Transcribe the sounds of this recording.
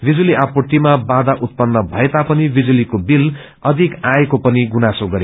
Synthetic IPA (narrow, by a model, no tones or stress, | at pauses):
bʱid͡zuliʔapoʈimabad̪aʔut̪̚pʌnːʌbʱʌet̪apʌnibʱid͡zulikobil | ʌd̪ʱikãjekopʌniɡunasoɡʌɾe